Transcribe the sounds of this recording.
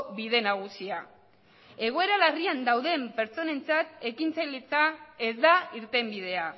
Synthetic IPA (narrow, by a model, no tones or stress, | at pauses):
βiðe̞naɣ̞usia | e̞ɣ̞o̞e̞ɾalariand̪awðe̞mpe̞ɾt͡so̞ne̞nt͡sat̪e̞kint͡sajlet͡sae̞zd̪aiɾt̪e̞mbið̞e̞a